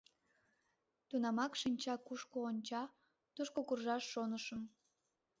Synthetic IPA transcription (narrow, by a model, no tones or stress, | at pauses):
t̪unɑmɑkʃinʲt͡ɕɑkuʃkoːnʲt͡ɕɑ | t̪uʃkokurʒɑʃːonəʃəm